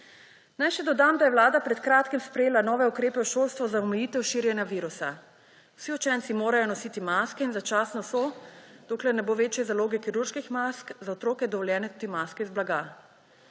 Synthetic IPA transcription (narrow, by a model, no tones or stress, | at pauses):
najʃɛd̪ɔd̪amd̪ajɛwlaːd̪apɾɛt̪kɾaːt̪kimspɾɛjeːlanɔːʋɛukɾeːpɛwʃoːlst̪ʋɔzaɔmɛjiːt̪ɛwʃiːɾjɛnjaʋiːɾusa̰ | w̥siɔt͡ʃɛnt̪simoːɾajɔnɔsiːt̪imaːskɛinzat͡ʃaːsnɔsɔd̪̥oːklɛɾnɛboːʋeːt͡ʃjɛzaloːɡɛkiɾuɾʃkixmaskzaɔt̪ɾoːkɛd̪ɔʋɔljɛːnɛt̪ud̪imaːskɛizblaɡa